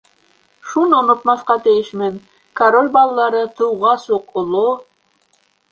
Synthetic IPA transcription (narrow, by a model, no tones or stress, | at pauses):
ʃunonŏt̪mɑsqɑt̪ejɘʃmɘn | kɐɾolʲbɑlˠlːˠɑɾɤt̪ʰŭwʁɑsuqolˠo